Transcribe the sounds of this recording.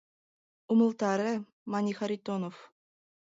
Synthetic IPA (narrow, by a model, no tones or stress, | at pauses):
umɤ̆lˠt̪ɑɾʲɘ | mɑnʲixaɾʲit̪onof